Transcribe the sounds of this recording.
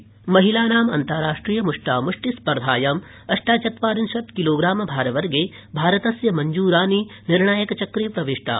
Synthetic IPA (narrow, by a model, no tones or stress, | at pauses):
mɐɦilaːnaːmɐ̰nt̪ɐɾaːʂʈɾiːjɐmuʂʈaːmuʂʈispɐɾd̪ʱaːjɐm | ɐʂʈaːt͡ʃɐt̪ʋaːɾinʃɐt̪kiloːɡɾaːmɐbʱaːɾɐʋɐɾɡeː | bʱaːɾɐt̪ɐsjɐmɐɲd͡ʒuːɾaːninɪɾɳaːjɐkt͡ʃɐkɾiːpɾɐʋiʂʈa̰ː